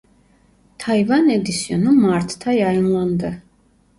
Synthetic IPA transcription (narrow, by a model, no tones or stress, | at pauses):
t̪ʰaivanɛd̪isjɔnumaɾt̪ʰt̪ʰajainland̪ɛ